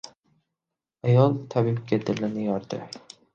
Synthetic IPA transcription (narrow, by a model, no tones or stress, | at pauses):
ajɒlˠt̪ʰabɪmkʰʲad̪ɪlːɪnɪjɒɾd̪ɪ̰